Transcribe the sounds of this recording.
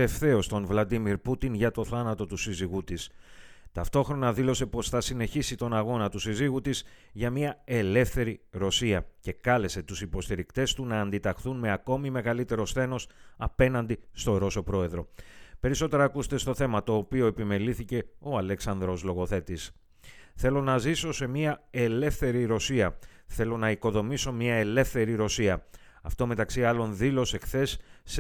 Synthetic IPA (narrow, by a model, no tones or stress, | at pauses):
efθe̞o̞st̪o̞nvlɐd̪imiɾput̪inʝɐt̪o̞θɐnɐt̪o̞t̪usiziɣut̪ist̪ɐft̪o̞xɾo̞nɐðilo̞se̞po̞sθɐsine̞çisit̪o̞nɐɣo̞nɐt̪usiziɣut̪iz | ʝɐmiɐe̞le̞fθe̞ɾiɾo̞siɐce̞kɐle̞se̞t̪usipo̞st̪iɾikt̪e̞st̪unɐːnd̪it̪ɐxθunme̞ɐko̞mime̞ɣɐlit̪e̞ɾo̞sθe̞no̞sɐpe̞nɐnd̪ist̪o̞ɾo̞so̞pɾo̞e̞ðɾo̞pe̞ɾiso̞t̪e̞ɾɐːkust̪e̞st̪o̞θe̞mɐt̪o̞ːpio̞e̞pime̞liθice̞o̞ɐle̞ksɐnd̪ɾo̞slo̞ɣo̞θe̞t̪is | θe̞lo̞nɐziso̞se̞miɐe̞le̞fθe̞ɾiɾo̞siɐ | θe̞lo̞nɐiko̞ðo̞miso̞mɲɐe̞le̞fθe̞ɾiɾo̞siɐɐft̪o̞me̞t̪ɐksiɐlo̞nðilo̞se̞xθe̞s